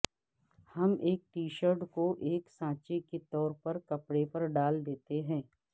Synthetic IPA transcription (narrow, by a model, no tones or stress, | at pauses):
hɐmeːk̚ʈiːʃəɾɖkoʔeːksãːt͡ʃeket̪ɔːɾpɐɾkɐpɽepɐɾɖaːld̪eːt̪eɦɛ̃ː